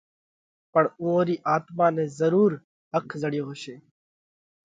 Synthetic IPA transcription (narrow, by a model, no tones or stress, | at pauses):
pəɳũːoːɾiːʔaːt̪mãːnẽːzəɾuːɾ | ɦəkʰzəɽɪjoːɦoːʃeː